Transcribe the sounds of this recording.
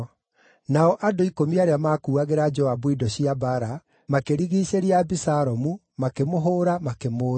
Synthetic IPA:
naɔʔadoikomiaɾeamaːkuːaɣeɾad͡ʒɔabwidɔɕiabaɾa | makeɾiɣiːɕeɾiabisaɾɔmu | makemoɦoːɾamakemoː

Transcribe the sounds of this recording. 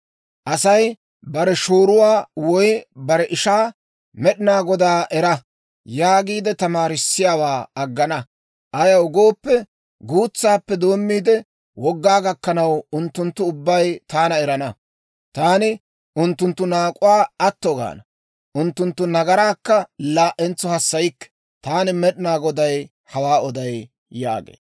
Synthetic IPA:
ʔɐsɐj | bɐɾɛʃoːɾʊwaːwɔjbɐɾɛʔɪʃaː | mɛɗɪnaːɡɔd̪aːʔɛɾɐ | jaːɡiːd̪ɛt̪ɐmaːɾɪsːɪjaːwaːɐɡːɐnɐ | ʔɐjɐʊɡo̞ːpːɛ | ɡuːt͡sːaːpːɛd̪o̞ːmːiːd̪ɛ | wɔɡːaːɡɐkːɐnɐwʊnt̪ːʊnt̪ːʊʊbːɐjt̪aːnɐɛɾɐnɐ | t̪aːnɪ | ʊnt̪ːʊnt̪ːʊnaːkʼʊwaːɐt̪ːɔɡa̰ːnɐ | ʔʊnt̪ːʊnt̪ːʊnɐɡɐɾaːkːɐlaːʔɛnt͡sːɔhɐsːɐjɪkːɛ̥ | t̪aːnɪmɛɗɪnaːɡɔd̪ɐj | hɐwaːɔd̪ɐj | ja̰ːɡḛː

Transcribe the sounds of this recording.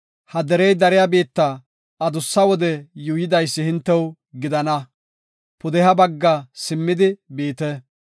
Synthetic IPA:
hɐd̪ɛɾɛjd̪ɐɾɪjabeːt̪ːɐ | ɐd̪ʊsːɐwɔd̪ɛjuːjɪd̪ɐjsːɪhɪnt̪ːɛw | ɡɪd̪ɐnɐ | pʊd̪ɛhɐbɐɡːɐsɪmːɪd̪ɪbeːt̪ɛ

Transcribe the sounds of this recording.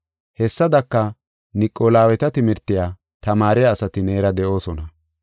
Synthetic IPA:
hɛsːɐd̪ɐkːɐ | nɪkʼːoːlaːwɛt̪ɐt̪ɪmɪɾt̪ːɪjaː | t̪ɐmaːɾɛjaːsɐt̪ɪneːɾɐd̪ɛʔo̞ːsɔnɐ

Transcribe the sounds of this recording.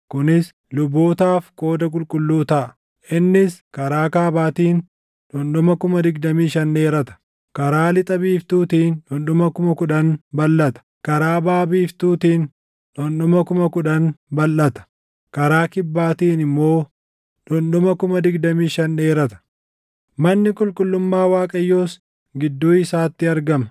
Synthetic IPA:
kʊnɪs | lʊboːt̪aːfko̞ːd̪ɐkʼʊlkʼʊlːuːt̪ɐʔɐ | ʔɪnːɪskɐɾaːkaːbaːt̪iːn | ᶑɔnɗɔmɐkʊmɐd̪ɪɡd̪ɐmiːʃɐnːe̞ːɾɐt̪ɐ̥ | kɐɾaːlɪt̪ʼɐbiːft̪uːt̪iːnᶑɔnɗɔmɐkʊmɐkʊᶑɐnbɐlːɐt̪ɐ̥kɐɾaːbaːbiːft̪uːt̪iːn | ᶑɔnɗɔmɐkʊmɐkʊᶑɐnbɐlːɐt̪ɐ̥ | kɐɾaːkɪbːaːt̪iːnɪmːo̞ː | ᶑɔnɗɔmɐkʊmɐd̪ɪɡd̪ɐmiːʃɐnːeːɾɐt̪ɐ̥ | mɐnːɪkʼʊlkʼʊlːʊmːaːwaːkʼɐjːoːs | ɡɪd̪ːuːɪsaːt̪ːɪɐɾɡɐmɐ

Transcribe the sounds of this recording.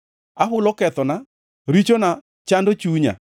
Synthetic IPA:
aɦʊlɔkɛt̪ɔna | ɾit͡ʃona | t͡ʃandot͡ʃuɲa̰

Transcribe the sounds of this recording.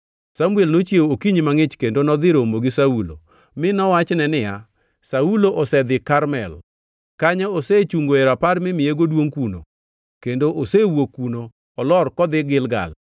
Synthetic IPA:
samuelnot͡ʃjeokiɲimaŋɪt͡ʃkendonɔd̪ɪɾomoɡɪsaulo̰ | mɪnɔwat͡ʃnɛnɪja | sauloʔɔsɛd̪ɪkaɾmɛl | kaɲaoset͡ʃuŋɡoeɾapaɾmɪmɪjeɡodwoŋkuno̰ | kendoʔosewokːunoː | lɔrkɔd̪ɪɡɪlɡa̰l

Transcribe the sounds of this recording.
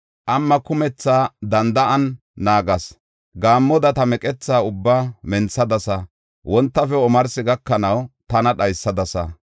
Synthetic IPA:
ʔɐmːɐkʊmɛt͡sːaːd̪ɐnd̪ɐʔɐnː | aːɡɐs | ɡaːmːɔd̪ɐt̪ɐmɛkʼɛt͡sːaːʊbːaːmɛnsɐd̪ɐsɐ | wɔnt̪ːɐfɛɔmɐɾsɪɡɐkːɐnɐwt̪ɐnɐɗɐjsːɐd̪ɐsɐ̰

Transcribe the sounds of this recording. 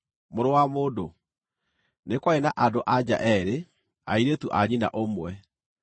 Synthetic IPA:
moɾowamoːdo | nekwaenaʔadoʔad͡ʑa̰ʔɛɾe | a̰iɾetuʔaɲina̰ʔomwɛ

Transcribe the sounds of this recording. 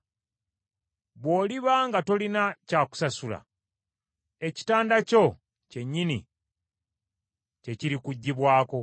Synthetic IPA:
βwo̞ːliβaŋɡato̞linacaːku̥sasula̰ | e̞ci̥taːndaco̞ | ce̞ɲːinḭ | ce̞ciɾikuɟːiβwaːko̞

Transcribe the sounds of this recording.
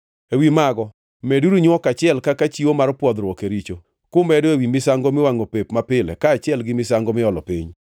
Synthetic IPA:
ewimaɡɔ | mɛduɾuɲwɔkat͡ʃɪɛlkakat͡ʃiwomaɾpwɔd̪ɾɔkeɾit͡ʃo | kʊmɛdoewimɪsaŋɡomɪwaŋopepmapɪlɛ̰kaːt͡ʃɪɛlɡɪmɪsaŋɡomɪɔlɔpiɲ

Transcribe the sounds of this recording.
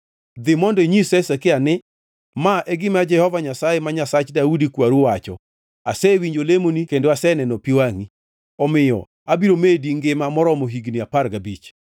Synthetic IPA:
d̪ɪmɔndeɲisɛsakɪanɪ | maʔɛɡɪmad͡ʒɛhɔvaɲasajemaɲasat͡ʃdaudikwaɾuwat͡ʃɔ̰ | asɛwiɲd͡ʒolemonikendoasɛnɛnɔpiwaŋi | ɔmɪjɔ̰ | abiɾomediŋɡemamɔɾɔmoɦiɡniaparɡabit͡ʃ

